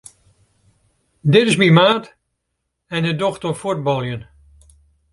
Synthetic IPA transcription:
dɪtɪsmimaːt | ɛnhədoxtəfud̚bɔlˠjən

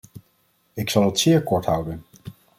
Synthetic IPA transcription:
ɪksɑlˠɦətsɪːɹkɔɹtɦʌwdən

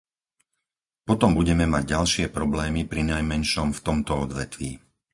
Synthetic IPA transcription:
pɔt̪ɔmbuɟɛmɛmaɟɟalʃɪɛpɾɔblɛːmipɾinajmɛnʃɔmft̪ɔmt̪ɔɔd̪ʋɛt̪ʋḭː

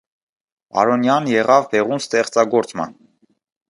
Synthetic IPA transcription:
ɑ̰ɾɔnjɑnjɛʁɑvbɛʁunst̪ɛχt͡sɑɡɔɾt͡smɑ̰n

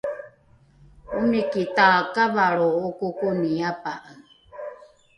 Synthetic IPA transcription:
unikit̪aːkaβaɺookokoniapaʔaŋ

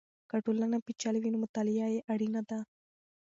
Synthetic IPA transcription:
kɐʈulːɐnɐpit͡ʃːaliʋinumut̪ɐlijaːjeʔɐɽinɐd̪a

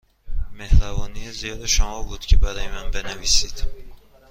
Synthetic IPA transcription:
me̞hɾavɒːnijazijɒd̪ʃɒmɒbud̪̥kʲʰibalajmanbenavisid̪̥

